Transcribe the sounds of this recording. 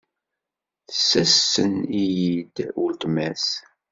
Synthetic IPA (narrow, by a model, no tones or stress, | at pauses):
θə̥sːæsːənijid̪ʊlt̪mæs